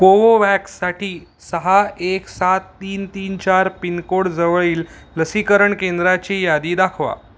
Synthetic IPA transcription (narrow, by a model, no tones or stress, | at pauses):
poʋoʋæksːaʈiː | səɦaeksat̪ːiːnt̪iːnt͡ɕaɾpinkoɽd͡zəʋɭiːlləsikəɾəɳkend̪ɾat͡ɕejad̪iːd̪akʰʋa̰